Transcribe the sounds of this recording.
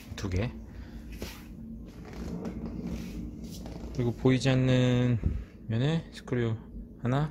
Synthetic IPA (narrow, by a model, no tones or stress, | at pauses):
tuɡe̞ | kɯɾiɡopoid͡ʑianːɯn | mjʌnesʰɯ̥kʰɯɾuhana